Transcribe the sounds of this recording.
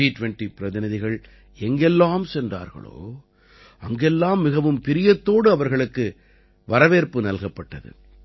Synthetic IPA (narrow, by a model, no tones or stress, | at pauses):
iːʈʊʋɛɳʈipɪɾɐðɪnɐðɪɣɐɭ | ɛŋɡɛlːaːmsɛndra̰ːɾɣɐ̰ɭo̰ː | ʔɐŋɡɛlːaːmːɪɣɐʋɯmpɪɾɪjɐt̪ːoːɽɯɐʋɐɾɣɐɭɯkːɯ | ʋɐɾɐʋeːɾpɯnɐlɣɐpːɐʈːɐðɯ̰